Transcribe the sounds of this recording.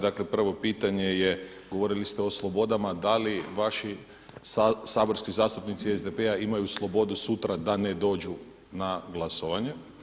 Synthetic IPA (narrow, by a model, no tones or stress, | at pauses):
d̪akle̞pr̩ʋo̞piːt̪aɲe̞je | ɡoʋo̞ɾilist̪eo̞slˠo̞bo̞d̪amad̪aliʋaʃi | saːbo̞ɾskizaːst̪upnit̪siezd̪e̞peaimajuslˠo̞bo̞d̪usut̪ɾad̪aned̪o̞ːd͡ʒu | naɡlˠasoʋaɲe